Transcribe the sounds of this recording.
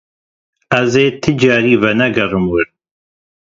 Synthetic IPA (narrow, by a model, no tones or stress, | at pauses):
ɐzeːt̪ʰɨd͡ʒaːɾiːvɛnɛɡɐrɨmwɨɾ